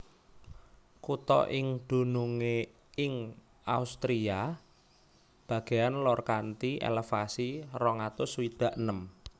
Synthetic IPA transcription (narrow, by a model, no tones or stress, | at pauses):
kut̪ɔ̰ʔɪŋd̪̥ṳnuŋe | ɪŋ | aust̪ɾia | b̥a̤ɡ̥e̤janlɔrkant̪iʔḛlefasirɔŋat̪ʊswid̪̥ä̤ʔnəm